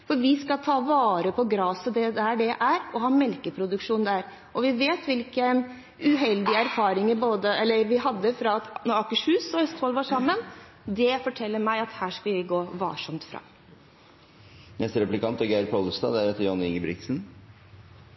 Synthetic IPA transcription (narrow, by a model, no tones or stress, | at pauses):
fɔɾʋɪskɑlt̪ʰɑːʋɑːɾəpʰɔɡɾɑːsəd̪ɛd̪ɛæːɖɛʔæɾɔɦɑːmɛlkəpʰɾʊd̪ʉkʂuːnd̪ɛæːɾ | ʔɔʋɪʋeːt̪ʋɪlkən | ʉɦɛld̪ɪæɾfɑːɾɪŋəɾboːd̪əɛlːəɾʋɪɦɑd̪ːəfɾɑɑt̪nɔɾɑːkəʂhʉːsɔhœst̪fɔlʋɑːʂɑmːən | d̪ɛfɔʈʰɛlːəɾmæɪɑt̪hæːʂkɑlɪɪɡoːʋɑ̰ːʂɔmt̪fɾɑ̰ː | nɛst̪əɾɛplɪkɑnt̪ɔɡæɪpʰɔlːəst̪ɑ̰ːd̪æɾɛt̪əɾjɑnːəɪŋːəbɾɪ̰kt̪sn̩